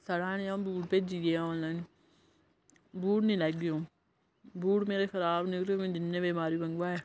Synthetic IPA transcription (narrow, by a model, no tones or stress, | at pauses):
səɽãːnẽãːbuːʈ̚peːd͡ʒiːeãõːnllaːn | buːʈnĩːlɛːɡɪjõː | buːʈmeːɾeːkʰəɾaːbnɪkɾoːmẽːd͡ʒɪnːẽːbeːmaːɾiːbə̃ŋɡʋaːɛː